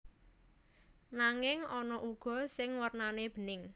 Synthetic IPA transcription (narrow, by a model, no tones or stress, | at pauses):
naŋɪŋɔnɔʔuɡ̥ɔ̤sɪŋwərnaneb̥ə̤nɪŋ